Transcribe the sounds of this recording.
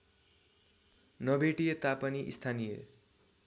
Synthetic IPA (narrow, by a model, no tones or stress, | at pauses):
nʌbeʈijʌt̪apʌniʔḭst̪ʰanijḛ